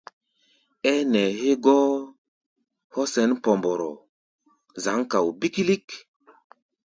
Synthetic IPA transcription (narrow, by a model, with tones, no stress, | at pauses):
ɛ˦nɛ˨he˦ɡɔ˦ | hɔ˦sɛ˨˦npɔ˨mbɔ˨ɾɔ̰˨ | za˨˦ŋka˨wbi˦ki˦li˦k